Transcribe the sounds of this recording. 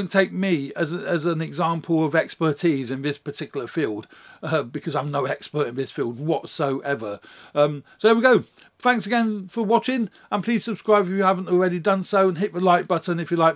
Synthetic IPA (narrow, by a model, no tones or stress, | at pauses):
ʊ̃ntʰeɪk̚miɨzɨzə̃nɨɡzæ̃mpʰl̩ˠʌvɛkspə˞tʰizɨ̃nðɪspə˞tʰɪkjl̩ˠə˞filˠd̥ʌbɨkʰʌzãɪ̃mnoʊɛkspə˞ɾɨ̃nðɪsfilˠd̚wɒtsoʊʔɛvə˞ʌ̃msoʊðəwiɡoʊ | θæ̃ŋksəɡɛ̃nfə˞wɒt͡ʃɪ̃ŋ | ə̃npʰl̥iz̥səb̥skɹaɪbɪfjɨhævə̃n̩tɔl̩ˠɹɛɾidʌ̃nsoʊə̃nɦɪʔ̚ðəlaɪt̚b̥ʌtənɨfjəlaɪk̚